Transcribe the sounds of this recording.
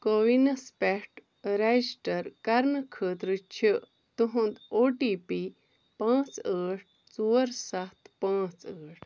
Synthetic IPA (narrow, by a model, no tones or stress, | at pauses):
koʋinɐspeʈ | ɾed͡ʒʈɐɾkɐɾnəkʰəːt̪ɾɨt͡ʃʰi | t̪uɦõnd̪oːʈipi | pãːt͡səːʈ̚ʰ | t͡suːɾsɐt̪pãːt͡səːʈʰ